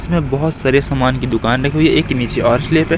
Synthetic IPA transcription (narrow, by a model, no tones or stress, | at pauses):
smẽbɔɦʊt̪saːɾesaːmaːnkid̪ʊkaːnɾɐkʰeuieeːkniːt͡ʃʰeɔːɾsleːpe